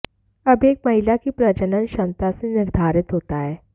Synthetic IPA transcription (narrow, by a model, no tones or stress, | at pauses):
ɐbeːk̚mɐɦɪlakipɾɐd͡ʒənənʃə̃nt̪asenɪɾd̪ʱaːɾɪt̪ɦoːt̪aɦɛː